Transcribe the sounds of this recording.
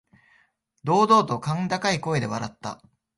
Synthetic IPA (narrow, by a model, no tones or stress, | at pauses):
d̪o̞ːd̪o̞ːt̪o̞kãŋd̪akaiko̞ed̪e̞βaɾat̪ːa̰